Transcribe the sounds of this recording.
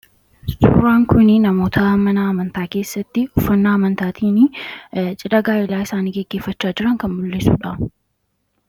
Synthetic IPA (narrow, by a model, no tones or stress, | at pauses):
sṵːɾaːŋkʊnɪnɐmo̞ːt̪ʰɐmːɐnɐːmɐnt̪aːke̞ːsːɐt̪ːɪʊfːɐnːaːmɐnt̪aːt̪ʰiːnɪt͡ʃʼɪᶑɐɡaːʔɪlaːɪsaːniːɡɛɡːe̞ːfːɐt͡ʃːaːd͡ʒɪɾɐŋkɐnmʊlːɪsuːᶑɐ